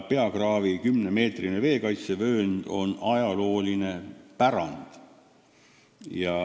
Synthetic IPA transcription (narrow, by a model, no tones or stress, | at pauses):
pe̞ɑkrɑːvikymne̞me̞ːt̪rineve̞ːkɑjt̪sevø̞ːnd̪̥o̞nɑjɑlo̞ːline̞pæɾɑ̰nd̪̥ | jɑ